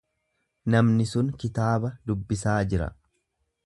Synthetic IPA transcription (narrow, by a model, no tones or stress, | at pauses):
nɐmnɪsʊŋkɪt̪aːbɐd̪ʊbːɪsaːd͡ʒɪɾɐ̰